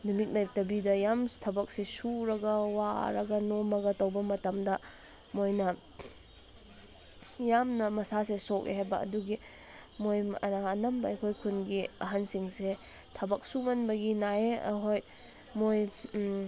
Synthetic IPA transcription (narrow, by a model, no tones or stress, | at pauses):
numik̚najtɐbidɐjamtʰɐbɐk̚sesuɾɐɡɐwa̰ɾɐɡɐnomɐɡɐtɐwbɐmɐtɐmdɐ | mojnɐ | jamnɐmɐsasesɔk̚ʔḛɦajbɐɐ̰duɡi | mojɐnaɐnɐmbɐɐjkʰojkʰunɡiɐ̰ɦansiŋse | tʰɐbɐk̚sumɐnbɐɡinaeɐ̰ɦoj | moj